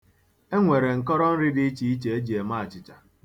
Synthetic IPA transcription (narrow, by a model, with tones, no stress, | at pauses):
e˦ŋʷe˨ɾe˨ŋ̩˨kɔ˦ɾɔ˦n̩˦ɾɪ˦di˦t͡ʃi˨i˦t͡ʃe˨e˦d͡ʒi˨e˨ma˦˨t͡ʃɪ˨t͡ʃa˨